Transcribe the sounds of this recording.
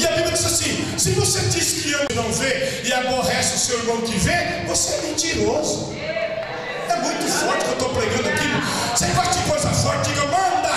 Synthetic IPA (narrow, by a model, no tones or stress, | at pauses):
ɪabiblʲɐd͡ʒ̪izasĩ | sɪ̃vosed͡ʒisɪ̥kɪewnɐ̃w̃veɾɪaboɦɛsɪʊsewnõmʊkɪvẽ | voseɛmẽnt͡ʃ̪iɾozʊ̰ | ɛmũj̃t̪ʊfɔɾt͡ʃɪ̥kewt̪opleɡɐ̃d̪ʊakilʊsẽfazt͡ʃikojzɐfɔɾt͡ʃɪd͡ʒiɡmɐ̃d̪a